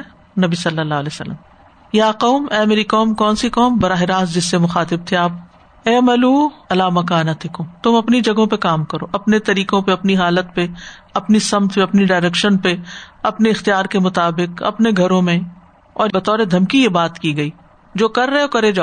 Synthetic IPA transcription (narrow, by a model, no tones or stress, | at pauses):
nɐbisɐlːəlːaːɦleːsə̰lːə̰m | jaːqɔʊmɛːmeːɾikɔːmkɔːnsiqɔːmbɐɾaːɦɪɾaːs̬d͡ʒɪsːemʊxaːt̪ɪb̚t̪ʰeaːp̚ | ɛːmɐluːɐlaːmɐkaːnat̪ʰɪkõːt̪ʊmɐpnid͡ʒɐɡõpekaːmkɐɾo̰ːʔɐpnet̪ɐɾiːkõpeɐpniɦaːlət̪peɐpnisɐmt̪ʰpeɐpniɖaːɪɾɛkʃənpeɐpneɪxt̪ijaːɾkemʊt̪aːbɪqɐ̰pneɡʱɐɾõmẽ | ɔːɾbɐt̪ɔːɾed̪ʱɐmkijebaːt̪kiɡɐiː | d͡ʒoːkɐɾːɐɦeokɐɾed͡ʒaː